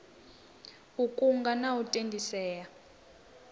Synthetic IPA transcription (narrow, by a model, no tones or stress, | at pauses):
ukʼuŋɡanautʼendʱisɛːja